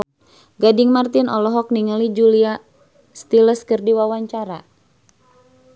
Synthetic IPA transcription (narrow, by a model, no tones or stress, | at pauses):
ɡadɪŋmart̪ɪnɔlɔɦɔk̚niŋalid͡ʒulia | st̪iləskɨrdiwawaɲt͡ʃaɾa